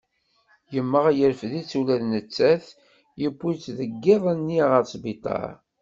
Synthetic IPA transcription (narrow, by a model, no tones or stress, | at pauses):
jəmːəʁæjəɾfðit͡sːulæðnət͡sːæθ | jəbːit͡sːðəɡːɪðˤænːiʁəɾt͡sbit̪ˤɑ̰ɾ